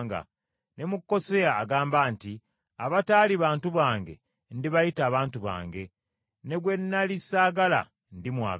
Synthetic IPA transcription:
ŋɡa̰ | ne̞mukːo̞seaːɡaːmbaːnti | aβataːliβaːntuβaːŋɡe̞̰ | ndiβajitaːβaːntuβa̰ːŋɡe̞ | ne̞ɡwe̞nːalisaːɡala̰ | ndimwaː

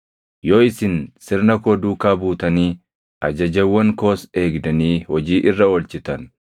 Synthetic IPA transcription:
joːɪsɪnsɪɾnɐkoːd̪uːkaːbuːt̪ɐniː | ʔɐd͡ʒɐd͡ʒɐwːɐŋko̞ːse̞ːɡd̪ɐniːhɔd͡ʒiːʔɪrːɐɔlt͡ʃɪt̪ɐn

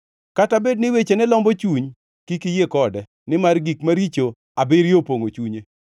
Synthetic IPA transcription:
katabed̚nɪwet͡ʃenɛlɔmbot͡ʃuɲ | kikɪjekɔdɛ | nɪmarɡikmaɾit͡ʃo | abɪɾjopoŋot͡ʃuɲe

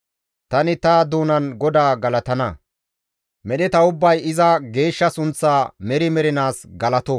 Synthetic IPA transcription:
t̪ɐnɪt̪ɐd̪uːnɐnɡɔd̪aːɡɐlɐt̪ɐnɐ | mɛɗɛt̪ɐʊbːɐjɪzɐɡe̞ːʃːɐsʊnt͡sːaːmɛɾɪmɛɾɪnaːsɡɐlɐt̪ɔ

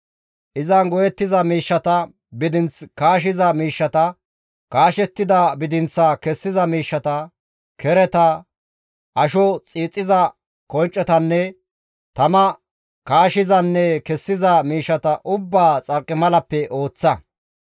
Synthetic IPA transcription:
ʔɪzɐnɡɔjɛt̪ːɪzɐmiːʃːɐt̪ɐ | bɪd̪ɪnt͡skaːʃ̬ɪzɐmiːʃːɐt̪ɐ | kaːʃɛt̪ːɪd̪ɐbɪd̪ɪnt͡sːɐkɛsːɪzɐmiːʃːɐt̪ɐ | kɛɾɛt̪ɐ | ʔɐʃɔt͡sʼiːt͡sʼːɪzɐ | kɔnt͡ʃʼːɛt̪ɐnːɛ | t̪ɐmɐ | kaːʃɪzɐnːɛkɛsːɪzɐmiːʃːɐt̪ɐʔʊbːaːt͡sʼɐɾkʼːɪmɐlɐpːɛʔo̞ːt͡sːɐ

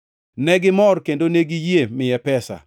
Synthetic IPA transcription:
nɛɡɪmɔrkendoneɡijemɪjɛpɛsa̰

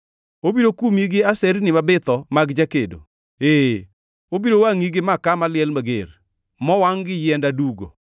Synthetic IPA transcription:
obiɾokumiɡɪasɛɾnɪmabɪt̪ɔmaɡd͡ʒakedo̰ | e | obiɾowaŋiɡɪmakamalɪjɛlmaɡḛr | mɔwaŋɡɪjɛndaduɡo̰

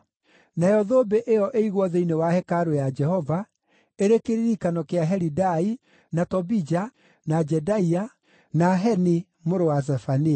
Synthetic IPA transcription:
najɔðoːbeʔejɔʔeiɣwɔðeinewahɛkaɾojad͡ʒɛhɔva | eɾekeɾiɾikanɔkeaɦɛɾidai | natɔbid͡ʒa | nad͡ʒɛdaia | naɦɛni | moɾowaz̬ɛfani

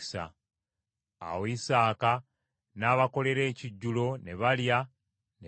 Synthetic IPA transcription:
sa̰ | a̰woisaːka | naːβako̞le̞ɾe̞ːciɟːulo̞ne̞βalja | ne

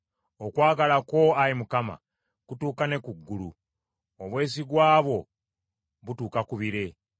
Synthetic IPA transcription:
okwaːɡalako̞aimukama̰ | kutuːkane̞kuɡːulṵ | oβwe̞ːs̬iɡwaːβo̞ | βutuːkakuβiɾe̞

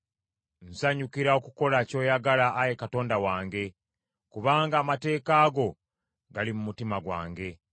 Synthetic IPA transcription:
n̩saɲukiɾao̞kuko̞laco̞ːjaɡalaʔːje̞kato̞ːndawaːŋɡe̞ | kuβaːŋɡaːmate̞ːkaːɡo̞ | ɡalimumutimaɡwa̰ːŋɡe̞

